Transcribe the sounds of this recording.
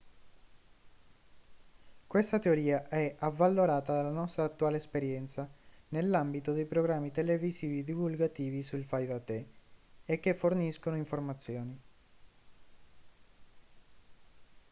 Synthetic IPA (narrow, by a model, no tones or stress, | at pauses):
kwest̪at̪eoɾiːaʔɛavːalːoɾaːt̪ad̪alːanɔst̪ɾaːt̪ːuaːleɛspeɾjɛnt̪sanelːambit̪od̪ejpɾoɡɾamːit̪elevisiːvid̪ivulɡat̪iːvisulfajd̪at̪ːe | ekːefːorniskonoiɱformat̪sːjoːni